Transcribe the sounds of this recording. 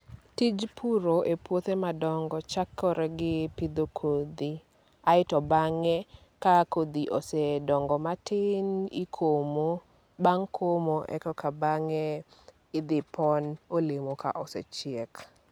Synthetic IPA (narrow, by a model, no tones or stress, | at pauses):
tid͡ʒpʰuɾoʔepwot̪emadɔŋɡɔt͡ʃakʰːɔɾɛɡɪpɪd̪okʰod̪i | aɪtɔbaŋɛ | kakod̪iʔosedɔŋɡɔmatɪnɪkʰomo | baŋkʰomoʔɛ̰kɔkabaŋɛ | ɪd̪ɪpʰɔnolemoka̰ʔɔsɛ̰t͡ʃɪɛk